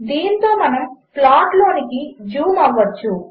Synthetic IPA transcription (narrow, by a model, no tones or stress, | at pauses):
d̪iːnt̪o̞ːmɐnɐmpʰlaːʈlo̞ːnikid͡ʒuːmɐʋːɐt͡ʃːu